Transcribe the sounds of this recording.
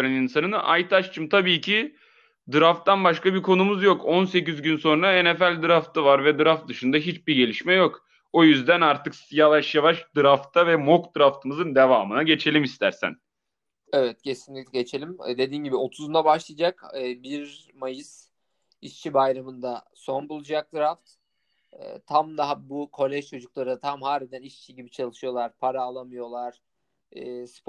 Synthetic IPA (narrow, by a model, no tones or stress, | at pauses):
ɾaninsanɯnʔa̰jt̪ʰat͡ʃt͡ʃʰɯmt̪ʰabiːcʰi | d̪ɯɾaft̪ʰːanbaʃkabiɾkʰo̞numuzjo̞kʰo̞nse̞cizɟynso̞nɾaɛnefælʲd̪ɯɾaft̪ʰavaɾvɛd̪ɯɾaft̪̚d̪ɯʃɯnd̪aɦit͡ʃbiɟe̞lʲiʃmɛjo̞k | o̞jyzd̪ænaɾt̪ʰɯksjavaʃjavaʃd̪ɯɾaft̪ʰavɛmo̞kd̪ɯɾaft̪ʰɯmɯzɯnd̪e̞vaːmɯnaɟe̞t͡ʃʰe̞lʲimist̪ʰæ̰ɾsæ̰n | evɛt̪̚cʰe̞sinlʲicʲlʲɟe̞t͡ʃʰe̞lʲimd̪e̞d̪iːnɟibio̞t̪ʰuzund̪abaʃlˠɯjad͡ʒakːbiɾ | majɯz̥ | it͡ʃt͡ʃʰibajɾamɯnd̪aso̞nbulˠud͡ʒak̚d̪ɯɾaft̪ː | t̪ʰamd̪aɦabukʰo̞lʲɛʒt͡ʃʰo̞d͡ʒuklˠaɾɯd̪at̪ʰamhaːlʲid̪æniʃt͡ʃʰiɟibit͡ʃʰalˠɯʃɯjo̞lˠaɾpʰaɾaːlˠamɯjo̞lˠaɾ̥ | ɛːsp